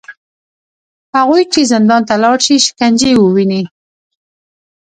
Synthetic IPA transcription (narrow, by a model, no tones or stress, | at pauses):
haɣujt͡ʃezɪnd̪ɑnt̪alɑɽʃiʃɪ̥kand͡ʒewəwini